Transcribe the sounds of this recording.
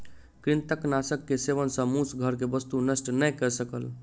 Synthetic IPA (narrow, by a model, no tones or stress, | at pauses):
kɾɪnt̪əknasəkːeseʋənsə̃musɡʱəɾkebəst̪unəsʈnəjkɛsəkəl